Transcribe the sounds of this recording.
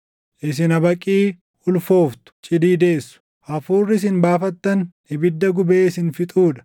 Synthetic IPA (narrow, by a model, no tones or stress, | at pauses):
ʔɪs̬ɪnɐbɐkʼiː | ʊlfo̞ːft̪ʊ̥t͡ʃʼɪd̪iːd̪e̞ːsːʊ̥ | ʔɐfuːrːɪs̬ɪnbaːfɐt̪ːɐn | ɪbɪd̪ːɐɡʊbeːɪsɪnfɪt̪ʼuːᶑɐ̥